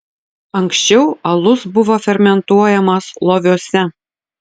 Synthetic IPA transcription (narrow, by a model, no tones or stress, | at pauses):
ɐŋksʲt͡ɕɛʊɐlˠʊsbʊʋɔfʲɛɾʲmʲɛnt̪uɔjɛmɐslˠɔʋʲuɔsʲɛ